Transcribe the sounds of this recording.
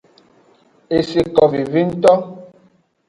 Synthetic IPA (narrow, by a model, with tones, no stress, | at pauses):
e˨si˨kɔ˨vi˨vi˦n̩˦tɔ˦